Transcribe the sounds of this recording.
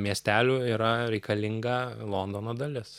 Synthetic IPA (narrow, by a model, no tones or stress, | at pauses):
mʲiɛsʲt̪ʲæːlʲuːiːɾɐɾʲɛɪkɐlʲɪŋɡɐlˠoːnd̪oːnɐːd̪ɐlʲɪs